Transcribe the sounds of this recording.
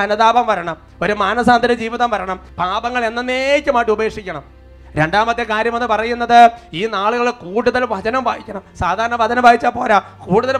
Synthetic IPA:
ɐnɐðaːbɐmʋɐɾɐɳɐm | o̞ɾumaːnɐsaːnd̪ʱɐɾɐd͡ʑiːʋiðɐmʋɐɾɐɳɐmpaːbɐŋːɐɭe̞nːɐnːeːkʲːɨmaːʈːɨube̞ːkʂikʲːɐɳɐm | ɾe̞ɳɖaːmɐt̪ːekaːɾjɐmenːɨpɐrɐjunːɐðɨiːnaːɭuɣɐɭkuːɽuðɐlʋɐd͡ʑɐnɐmbʱaːʋikʲːɐɳɐmsaːd̪ʱaːɾɐɳɐʋɐd͡ʑɐnɐmbʱaːʋit͡ɕːaːpo̞ːla | kuːɽuðɐl

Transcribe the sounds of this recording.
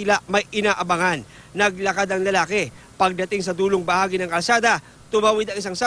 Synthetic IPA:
ɪlamɐjʔɪnaːʔɐbɐŋanː | ɐɡlɐkad̪ɐŋlɐlaːkɛ | pɐɡ̚d̪ɐt̪ɪŋsɐd̪uːloŋbɐhaːɡɪnɐŋkɐlsaːd̪ɐ | t̪ʊmawɪd̪ɐŋɪs̬aŋsɐ

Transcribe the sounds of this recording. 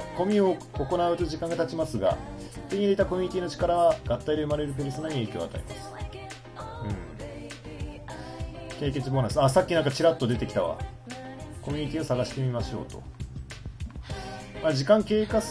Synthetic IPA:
ko̞mʲioː | ko̞naɯ̟t̪oʑikãŋɡat̪at͡ɕimasɨɡa̰t̪eɲ̟id̪e̞it̪ako̞mʲiɲ̟it̪ʲiːno̞t͡ɕi̥kaɾaβaɡat̪ːaid̪e̞ɯmaɾe̞ɾɯ̟p̬eɾʲisonaɲ̟ie̞ːkʲoa̰t̪a̰ḭma̰sɨ̥ | ɯ̟̃ɴ | ke̞ːke̞t͡sibonasasakʲːinãŋkat͡ɕiɾat̪ːo̞d̪e̞t̪e̞kʲi̥t̪aβa̰ | ko̞mʲiɲ̟it̪ʲiːosaɡaɕi̥t̪e̞mʲimaɕo̞̰ːt̪o̞̰ | maʑikãŋke̞ːka

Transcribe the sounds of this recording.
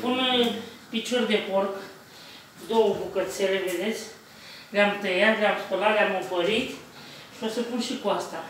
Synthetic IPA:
pun | pit͡ʃo̞rʲd̪e̞pork | d̪owəbukət̪seleved̪e̞t̪sʲ | ɡamt̪əjat̪ɡamsp̪olaɡʲamopəɾit̪ | ʃiosəpunʃikuast̪a

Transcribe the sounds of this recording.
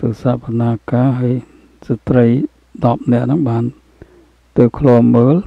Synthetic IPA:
t̪ɨːsaːpănaːkaːɦaəj | sat̪rəj | ɗɑp̚nɛ̆əʔnɨŋɓaːn | t̪ɨːkʰluəmmːəːl

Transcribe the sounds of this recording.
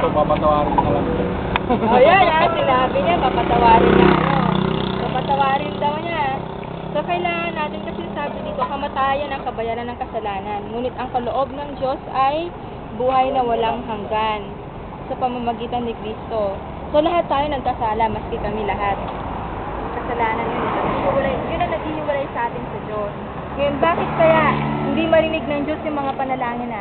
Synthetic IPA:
sopapɐt̪ɐwaːknɐlɐŋa | ʔɐjanʔasɪnaːbɪɲapapɐt̪ɐwaːɾɪnɪt̪opapɐt̪ɐwaːɾɪnd̪ɐwɲa | sokɐɪlaːŋɐnːaːt̪ɪnkɐsɪnasaːbɪnit̪o̞kɐmɐt̪aːjɐnɐŋkɐbɐjaːɾɐnːɐŋkɐsɐlaːnɐnmuːnɪt̪ʔɐŋkɐloʔo̞b̚nɐŋd͡ʒo̞sʔɐj | buːɦɐjnɐwɐlaŋɦɐŋɡan | sɐpɐmɐmɐɡiːt̪ɐnːɪkɾiːst̪o̞ | so̞lɐɦat̪ːaːjo̞nɐɡ̚kɐsaːlɐmɐsɡɪkɐmɛlɐɦat̪̚ | ɐŋkɐsɐlaːnɐnːɐnɪsɐkhiwɐlajnjʊnɐŋnɐɡ̚hihɪwɐlajsɐʔaːt̪ɪnsɐd͡ʒos | ŋɐjo̞nbaːkɪt̪̚kɐjaʔhɪnd̪imɐɾɪnɪɡ̚nɐŋd͡ʒo̞sjʊŋmɐŋapɐnɐlaːŋɪnɐ

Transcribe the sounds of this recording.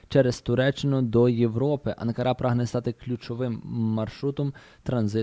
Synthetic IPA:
t͡ʃɛɾest̪ʊɾɛt͡ʃːɪnʊd̪ɔjewɾɔpɪʔɐ̰nkɐɾʔɑpɾɑɦnɛst̪ɑt̪ɪklʲut͡ʃɔʋɪmːɐrʃɾut̪ɔm | t̪ɾɐnzɪ

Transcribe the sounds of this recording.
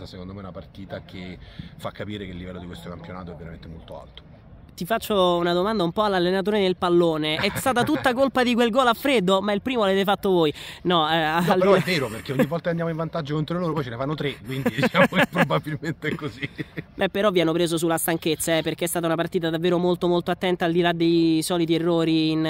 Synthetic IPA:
asekond̪omeunapart̪iːt̪akʰefːakːapiːɾekeilːivɛlːod̪ikwest̪okampjona̰ːt̪oɛvːeɾament̪emolt̪o̰a̰lt̪o̥ | t̪ifat͡ʃːounad̪omand̪aumpɔalːalːenat̪̬oːɾedelpalːoːneɛst̪aːt̪at̪ut̪ːakolpad̪ik̬welɡɔːlafːɾed̪omailpɾiːmoavet̪efat̪ːovoːjnɔɛalpɾɛɛvɛːɾoperk̟eoɲːivːɔlt̪aand̪jaːmoiɱvant̪ad͡ʒːokont̪ɾoloːɾopɔjt͡ʃenefanːot̪ɾekwind̪id̪it͡ʃaːmokepːɾobabilment̪eɛkːozibɛpːeɾɔvːianːopɾeːzosulːast̪aŋket̪sːaɛperk̟eɛst̪aːt̪aunapart̪iːt̪̬ad̪avːeːɾomolt̪omolt̪oat̪ːɛnt̪aːld̪ilad̪ejsɔːlit̪ierːoːɾiːn

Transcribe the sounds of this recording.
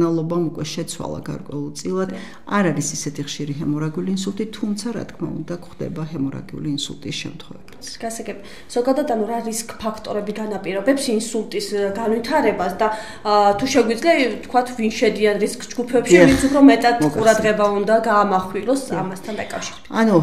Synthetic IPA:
alˠɔbamukʼwɛʃɛt̪sʰwa̰lˠa̰ɡa̰ɾkʼwɛ̰ulˠt̪sʼilˠad̪ | aɾaɾisisɛt̪ʰiχʃiɾiɦɛmɔɾaɡiuliːnsulˠt̪ʼit̪ʰumt̪sʰaɾa̰t̪kʰma̰ṵnd̪akχd̪ɛ̰baɦɛmɔɾa̰ɡiṵliːnsṵlˠt̪ʼisʃɛ̰mt̪ʰχwɛ̰vɛbiɡ̥asaɡɛbi | z̥ɔɡad̪ad̪anuɾaɾiskʼpʰakʰt̪ʼɔɾɛbiɡanapʼiɾɔbɛpsinsulˠt̪ʼisɡanvit̪ʰaɾɛbasd̪a | t̪ʰuʃɛɡwid̪zliat̪ʰkʰwat̪ʰvinʃɛd̪ianɾiskʼsd͡ʒɡupʰɛpʃiɾit̪supʰɾɔmɛt̪ʼat̪ʰkʼuɾad̪ʁɛbaund̪aɡaːmaχwiɾɔsa̰mast̪ʰand̪a̰kʼa̰fʃiɾɛ̥b̥i̥tanu

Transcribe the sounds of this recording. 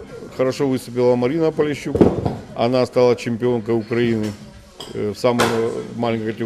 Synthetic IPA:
xəɾɐʂovɨst̪ʊp̬ʲɪlˠəmɐɾʲinəpəlʲɪɕːukɐ̰nast̪alˠat͡ɕɪmʲpʲɪo̞nkəjʊkɾɐinɨ | fsaməmmalʲɪnʲkət̪ʲ

